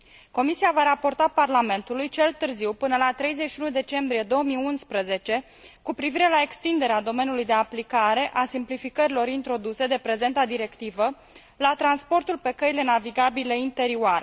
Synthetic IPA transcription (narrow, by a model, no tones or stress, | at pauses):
ko̞misiavaɾapo̞rt̪aparlame̞nt̪ulujt͡ʃe̞lt̪ɨrziwpɨnəlat̪ɾe̞jzeʃiunud̪e̞t͡ʃe̞mbɾije̞d̪o̞womiunspɾəze̞t͡ʃe̞ | kupɾiviɾe̞lae̞kst̪ind̪e̞ɾead̪o̞me̞nijulujd̪e̞aplikaɾe̞ʔasimplifikəɾilo̞ɾint̪ɾo̞d̪use̞d̪e̞pɾe̞ze̞nt̪ad̪iɾe̞kt̪ivə | lat̪ɾanspo̞rt̪ulpe̞kəile̞naviɡabile̞int̪e̞ɾiuaɾə